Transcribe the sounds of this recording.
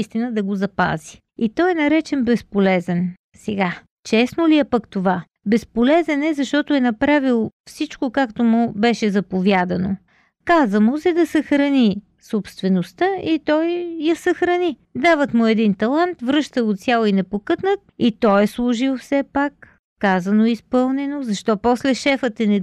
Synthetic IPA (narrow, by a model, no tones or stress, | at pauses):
ist̪inəd̪ɐɡozɐpa̰zi | it̪ɔjɛnɐɾɛt͡ʃɛnbɛspolɛzɛn | sɛɡa | t͡ʃɛsnoliɛpəkt̪ova | bɛspolɛzɛnɛzɐʃt̪ɔt̪ʊɛnɐpɾavilˠfsit͡ʃkokakt̪omʊbɛʃɛzɐpovjad̪ɐno | kazəmosɛd̪ɐsəxɾɐni | sopst̪vɛnost̪əit̪ɔjjɐsɐxɾɐnid̪avət̪mʊɛd̪int̪ɐlˠant̪vɾɤʃt̪əvot̪sʲjalˠoinɛpokɤt̪nət̪̚it̪ɔjɛslˠʊʒilˠfsɛpakː | azɐnoispɤlˠnɛnozɐʃt̪ɔpɔslɛʃɛfət̪ɛnɛ